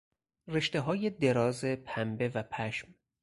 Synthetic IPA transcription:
reʃt̪e̞ɦɒːjed̪e̞ɾɒːzepʰæmbe̞væpʰæʃm

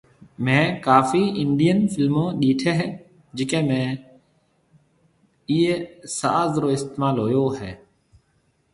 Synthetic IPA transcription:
mẽːkaːfiːɪɳɖɪjənfɪlmõːɗiːʈʰeːɦ | d͡ʒɪkẽːmẽː | iːesa̰ːzɾoːɪst̪eːmaːlɦoːjoːɦɛː

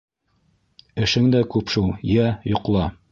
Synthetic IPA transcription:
ɘ̆ʃɘŋd̪ækʉpʃulˠjæjŏqlˠɑ

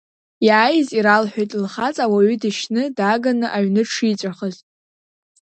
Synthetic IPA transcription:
jaːjziɾalħʷᶣejtʼlχat͡sʼawaɥʏdɨʃnɨdaɡanɨʔaɥnɨʈ͡ʂʰit͡sʷʼaχəzʼ

